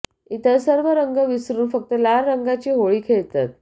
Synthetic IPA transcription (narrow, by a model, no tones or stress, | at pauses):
it̪əsəɾʋəɾəŋɡəʋisɾuːnfək̚t̪əlaɾːəŋɡat͡ɕiːɦoɭiːkʰeɭt̪at̪̚